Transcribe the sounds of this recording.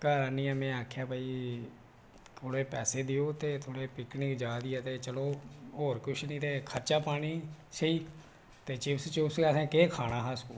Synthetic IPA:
kəɾaniːɛːmɛ̃ːaːkʰjaːbaːiː | t̪ʰoːɽeːpɛːseːd̪ɪjoːt̪eːt̪ʰoːɽeːpɪknɪkd͡ʒaːd̪iːɛːt̪eːt͡ʃəloːoːɾkʊʃʰnĩːt̪eːkʰəɾt͡ʃaːpaːɽ̃iːsəiː | t̪eːt͡ʃɪpst͡ʃɪpsɡɛːsɛ̃ːkeːkʰaːɽ̃aːɦaːskuː

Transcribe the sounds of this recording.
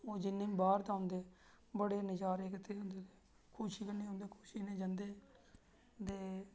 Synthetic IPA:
oːd͡ʒɪnːẽːmbaːɾt̪aʊ̃nd̪eː | bəɽeːnɪd͡ʒaːɾeːkt̪ʰeːɦʊ̃nd̪eːt̪eː | kʰuʃiːkənẽːɦõːnd̪eːkʰu̥ːʃiːnẽːd͡ʒənd̪eː | d̪eː

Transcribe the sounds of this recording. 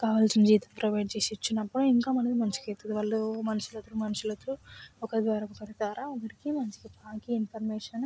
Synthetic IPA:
kaːʋalsinɐd͡ʒiːt̪ɐmpɾɐʋɐjʈ̚t͡ʃeːsit͡ʃːinːɐpːuɽuiŋkaːmɐnɐd̪imɐnt͡ʃi̥ket̪ɐd̪iʋɐɭːumɐnɐʃulɐt̪ːuɾumɐnɐʃulɐt̪ɾuɔkɐd̪ʋaːɾɐkukɐʈit̪aːɾaɐnd̪ɐɾikimɐnt͡ʃi̥kipaːkiinpʰɐɾmeːʂɐn

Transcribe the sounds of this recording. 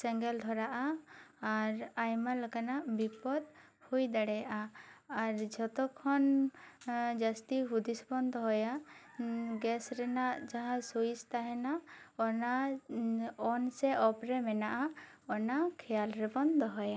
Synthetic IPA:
sɛŋɡɛld̪ʱɔɾaʔaː | ɾajmaləkanaʔbipɔd̪hujd̪aɽɛjaʔaː | ɾd͡ʒɔt̪ɔkʰɔn | d͡ʒast̪iɦud̪isbɔnd̪ʱɔɦɔja | ɡɛsɾɛnaʔd͡ʒaɦãsoist̪aɦɛnaɔna | ɔnsɛʔɔpɾɛmɛnaʔaɔnakʰɛjalɾɛbɔnd̪ʱɔɦɔja

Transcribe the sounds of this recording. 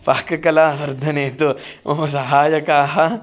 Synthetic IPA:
paːkɐkɐlaːʋɐɾd̪ʱɐneːt̪oos̬ɐɦaːjɐkaːɦɐ

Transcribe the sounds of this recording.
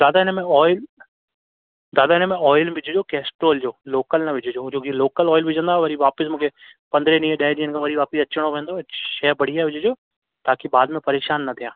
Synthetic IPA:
d̪aːd̪aɪnəmẽɔːɪl | d̪aːd̪aɪnəmẽɔːɪlbɪd͡ʑʱʊd͡ʑoːkɛːsʈoːld͡ʑoːloːkəlnɐʋɪd͡ʑʱʊd͡ʑoːd͡ʑoːkiloːkəlɔːɪlbɪd͡ʑʱə̃nd̪aːʋɐɾiʋaːpɪsmũːkʰepɐ̃nd̪ɾenĩːəɗaːɪd̪ĩːənɪ̆kʰãʋɐɾiʋaːpɪsɐt͡ɕəɽ̃oʋẽːnd̪oʃɛːɾbɐɽ̤iaːʋɪd͡ʑʱɪd͡ʑoː | t̪aːkiɓaːd̪mẽpɐɾeːʃaːnːɐt̪ʰijãː

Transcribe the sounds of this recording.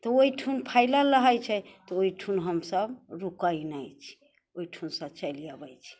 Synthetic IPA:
t̪ɔoiʈʰunpʰaɪlaləɦajt͡ʃʰɛt̪ɔoiʈʰunɦəmsəbɾukainajt͡ʃʰi̥ | oiʈʰunsət͡ʃəlijabəjt͡ʃʰi̥

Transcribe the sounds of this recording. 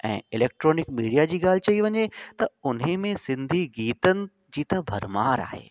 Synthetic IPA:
ɛ̰̃ːɪleːk̚ʈɾoːnɪkmiːɽijad͡ʑiːɡaːl̤ɪt͡ɕɐiʋɐɲet̪ɐʊnɦẽmẽsɪ̃nd̪ʱiɡiːt̪ənɪ̆ | d͡ʑiːt̪ɐbʱɐɾmaːɾa̰ːɦḛː

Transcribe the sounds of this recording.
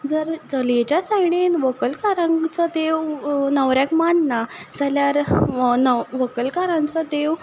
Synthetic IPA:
d͡zəɾd͡zəled͡ʑasajɽ̃enʋəkəlkaɾãŋt͡sɔd̪eʋnəʋɾjakmanːad͡zaljaɾnəʋəkəlkaɾãnt͡sɔd̪eʋ

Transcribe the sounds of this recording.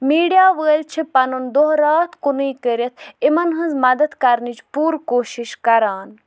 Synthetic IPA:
miːɖijaːʋəːlt͡ʃʰipɐnund̪oɦɾaːt̪ʰkunɨjkəɾjɐt̪ʰimɐnɦɐ̃nzmɐd̪ɐd̪kɐɾnit͡ʃpuːɾkoːʃiʃkɐɾaːn

